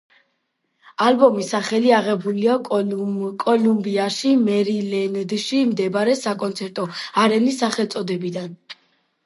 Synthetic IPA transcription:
albɔmisaχɛliaʁɛbuliakʼɔlumbiaʃimɛɾilɛnd̪ʃimd̪ɛbaɾɛsakʼɔnt̪sʰɛɾt̪ʼɔaɾɛnisːaχɛlˠt̪sʼɔd̪ɛbid̪an

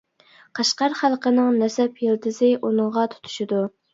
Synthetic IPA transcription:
qʰɑʃqɑɾχælˠqʰənɨŋnɛsɛpjild̪ɨzɪʔunɨŋʁɑt̪ʰu̥t̪ʰu̥ʃɪd̪u

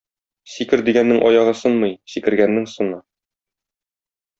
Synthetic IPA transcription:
sikɘɾd̪iɡænːɘŋʔɒjɑʁɤsonmɤjsikɘ̆ɾɡænːɘŋsŏnɤ

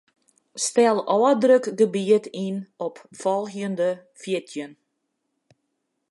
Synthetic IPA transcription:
stɛlˠɔːədrøkɡəbiətinɔpfɔlˠxjəndəfjɪtʰjən

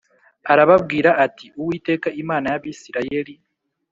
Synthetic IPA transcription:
aɾaβabɡiːɾaːtʰiuwiːte̞ːkaʔimaːnajaβisiɾaje̞li

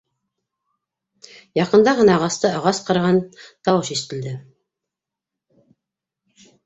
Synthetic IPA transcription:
jɑqɤ̆nd̪ɑʁɤ̆nɑʁɑst̪ɤɑʁɑsqɤ̆ɾʁɑnt̪ɑwɤʃist̪ɘ̆ld̪ɘ

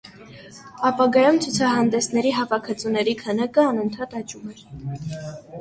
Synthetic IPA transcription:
ɑpɑɡɑjumt͡sʰut͡sʰɑɦɑnd̪ɛsnɛɾiɦɑvɑkʰət͡sunɛɾikʰənɑkəɑnənt̪ʰɑt̪ɑt͡ʃumɛɾ

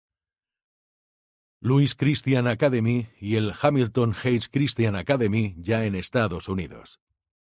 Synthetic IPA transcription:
luiskɾist̪janakaðe̞miie̞lxamilt̪o̞ŋxejskɾist̪janakaðe̞miʝae̞ne̞st̪aðo̞suniðo̞̰s

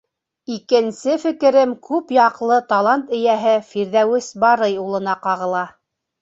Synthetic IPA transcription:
ikɘ̆nsɘfɘ̆kɘ̆ɾɘmkʉpjɑqlˠɤt̪ɑlˠɑnt̪ɘ̆jæɦɘfiɾðæwɘsbɑɾɤjulˠɤ̆nɑqɑʁɤ̆lˠɑ

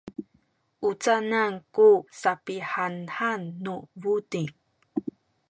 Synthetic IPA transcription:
ʔut͡sanankusapiħanħanːuvudi

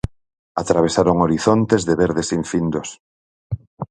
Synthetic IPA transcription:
at̪ɾaβesaɾoŋoɾiθont̪ezðeβeɾðesiɱfind̪os

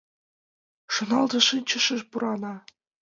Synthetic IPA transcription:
ʂɤ̆nɑlˠd̪ɤ̆ʂɤnt͡ɕə̆ʃɘ̆ʃpuɾɑnɑ

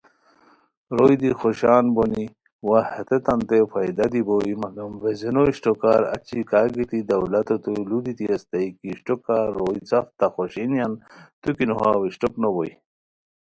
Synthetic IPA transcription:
ɾojd̪ixoɕaːnboni | wahet̪et̪ɐnt̪efajd̪ad̪ibojmɐɡɐmvezinoiɕʈokaːɾɐ̰t͡ɕikaːɡit̪id̪ɐwlɐt̪ot̪ulud̪it̪iɐst̪aikiɕʈokaɾojit͡sɐft̪axoɕinjant̪ukinoɦawiɕʈoknoboj

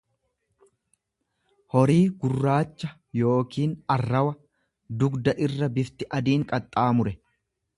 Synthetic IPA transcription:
hɔɾiːɡʊrːaːt͡ʃːɐ | jo̞ːkʰiːnɐrːɐwɐ | d̪ʊɡd̪ɐʔɪrːɐbɪft̪ɪʔɐd̪iːŋkʼɐt̪ʼːaːmʊɾɛ

